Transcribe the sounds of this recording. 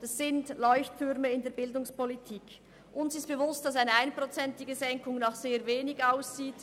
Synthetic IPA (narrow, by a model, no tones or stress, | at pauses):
d̥assɪntlɔʏçtʰʏɾməɪndeːɐbɪldʊŋspolitʰiːk | ʔʊnsɪstb̥əvʊstd̥ɑsaɪnəaɪnpʁot͡sɛntɪɡəzɛŋkʊŋnaχz̥eːɐveːnɪçaʊsz̥iːt